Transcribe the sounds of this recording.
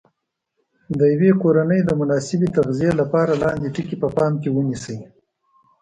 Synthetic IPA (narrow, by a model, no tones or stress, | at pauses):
d̪əjawekoɾanəjd̪əmʊnɑsɪbet̪aɣzijelapɑɾalɑnd̪eʈikipəpɑmkewənisəj